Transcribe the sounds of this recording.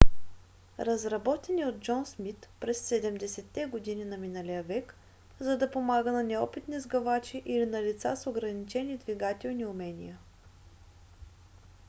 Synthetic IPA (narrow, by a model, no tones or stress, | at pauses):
ɾɐzɾɐbɔt̪ɛniod̪̚d͡ʒɔnsmit̪pɾɛsːɛd̪ɛmd̪ɛsɛt̪ːɛɡod̪inʲinɐminəlʲijəvɛk | zɐd̪ɐpomaɡənɐnɛɔpit̪nizɡɐvat͡ʃiʔilinɐlit̪sa̰soɡɾɐnit͡ʃɛnid̪viɡat̪ɛlˠniʊmɛnʲḭjə